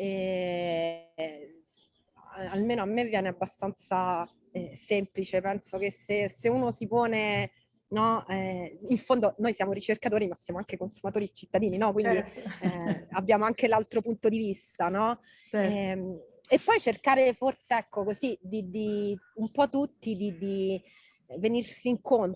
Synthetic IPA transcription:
ɛ | almeːnoamːevːjɛːneabːast̪ant̪sa | ɛsemplit͡ʃepɛnsok̟eseseuːnosipoːne | nɔɛiɱfond̪onojsjaːmoɾit͡ʃerkat̪oːɾimasːjaːmoaŋkekonsumat̪oːɾiet͡ʃit̪ːad̪iːninɔkwind̪i | abːjaːmoaŋkelalt̪ɾopunt̪od̪ivist̪anɔ | epːɔjt͡ʃerkaːɾeforseɛkːokozid̪id̪iumpɔt̪ːut̪ːid̪id̪i | venirsiːŋkon

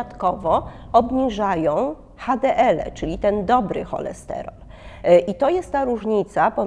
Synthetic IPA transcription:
at̪kɔvɔɔbɲiʐajɔ̃w̃ | xad̪ɛʔɛlɛ̰t͡ʂɘlʲit̪ɛnd̪ɔbɾɘ̰xɔ̰lɛ̰st̪ɛ̰ɾɔl | ʔit̪ɔjɛst̪t̪ːaɾuʐɲit̪sapɔ

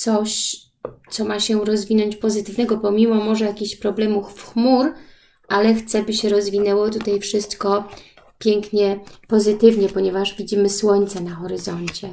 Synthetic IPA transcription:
t̪sɔɕ | t̪sɔmaɕɛɾɔzvʲinɔɲt͡ɕpɔzɘt̪ɘvnɛɡɔpɔmʲimɔmɔʐɛjakʲiɕpɾɔblɛmufxmuɾ | ʔalɛxt̪sɛbɘɕɛɾɔzvʲinɛwɔt̪ut̪ajfʂɘst̪kɔ | pʲjɛŋkɲɛpɔzɘt̪ɘvɲɛpɔɲɛvaʐvʲid͡ʑimɘswɔɲt̪sɛnaxɔɾɘzɔɲt͡ɕɛ

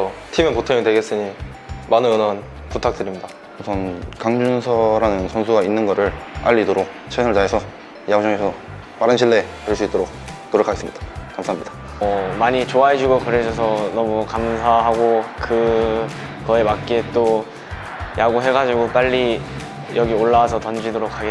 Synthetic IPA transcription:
ʌtʰimekotʰeŋdwe̞ɡe̞s͈ɯɲi | manɯɯnʌn | putʰak̚t͈ɯɾimɲida | usʰʌnkaŋd͡ʑunsʰʌɾanɯnsʰʌnsʰuɡainːɯnɡʌɾɯɭa̰ʎːidoɾok̚t͡ɕʰeɯɭtaesʰʌ | jaɡud͡ʑʌŋesʰʌ | maɾɯnɕʰiɭːe̞teɭs͈uit͈oɾok̚noɾʌkʰaɡe̞s͈ɯmɲid̥ḁkamsʰaɦamɲid̥ḁ | ʌmaɲit͡ɕoaɦed͡ʑuɡokɯɾesʰʌs̬ʰʌnʌmukamsʰaɦaɡokɯ | kʌe̞mak̚k͈et͈o | jaɡuɦe̞ɡad͡ʑiɡop͈aʎːi | jʌɡioɭːawasʰʌtʌnd͡ʑidoɾokʰːaɡe

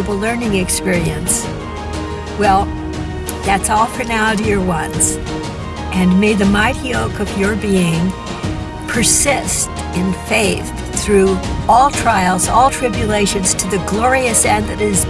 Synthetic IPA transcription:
bəl̩ˠlɜ̃˞nɪ̃ŋɨkspɪɹiɨ̃ns | wɛlˠ | ðætsɔlˠfə˞naʊdɪɹwʌ̃nz̥ | ʔɨ̃nmeɪðɨmaɪɾioʊkʌvjə˞biɪ̃ŋ | pʰə˞sɪst | ɨ̃nfeɪθ | θɹʉɔlˠtʰɹ̥aɪl̩ˠzɔlˠtʰɹ̥ɪbjɨleɪʃɨ̃nz̥tʰɨðɨɡlɔɹiɨsɛ̃nðɨɾɪz̥

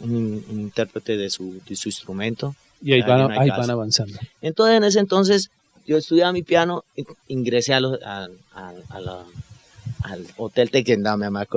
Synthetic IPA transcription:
ununint̪eɾpɾet̪eðesud̪esuinst̪ɾumẽnt̪o | iaianaaiabanaβansand̪oent̪onsesenes̬ent̪o̞ns̬es | d͡ʒoest̪uðjaβamipjano̞iŋɡɾeseala | aala | alot̪elt̪ekend̪aβameamako

